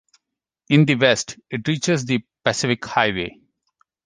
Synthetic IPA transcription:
ɪ̃nd̪iʋɛsʈɪʈɾiːt͡ʃezd̪ipæsɪfɪkhaɪʋeː

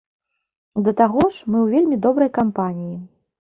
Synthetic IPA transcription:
d̪ɐt̪aɣɔʂmɨwvʲelʲmʲid̪ɔbɾɐjkampanʲiji

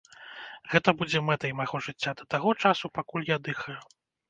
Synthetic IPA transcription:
ɣɛt̪ɐbud͡zʲɛmɛt̪ɐjmajɣɔʐɨt͡sʲːad̪ɐt̪aɣɔt͡ʂasupakulʲjad̪ɨxɐju

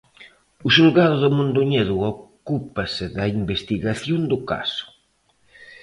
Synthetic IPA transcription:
ʊsulɣaðʊðʊmũnd̪uɲeðuɔkupɐsɪðɐimbest̪iɣaθjond̪ʊka̰sʊ̥

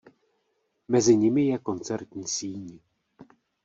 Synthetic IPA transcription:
mɛzɪɲɪmɪjɛko̞nt͡sɛɾt̪ɲiːsiːɲi

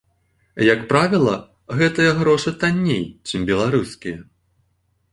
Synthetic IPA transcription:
jɐkpɾavʲilˠɐ | ɣɛt̪ɨjɐɣɾɔʂɨt̪anʲːḛjt͡ʂɨmbʲɛlˠaɾuskʲijɐ

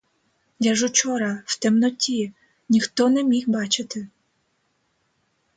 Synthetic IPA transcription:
dʲaʒʊt͡ʃɔɾɐwt̪ɛmnɔtʲi | nʲixt̪ɔnɛmʲixbɑt͡ʃɪt̪ɪ

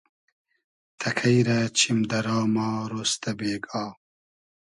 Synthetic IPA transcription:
t̪ʰɐkʰɐjɾɐt͡ɕʰimd̪ɐɾɑːmɑːɾoːst̪ɐbeːɡɑː

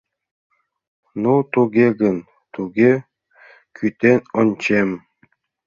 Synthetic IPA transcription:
nut̪uɡʲeɡən | t̪uɡʲe | kʰyt̪enonʲt͡ɕem

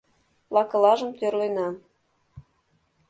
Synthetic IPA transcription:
lɑkɤ̆lɑʒə̆mt̪ørlenɑ

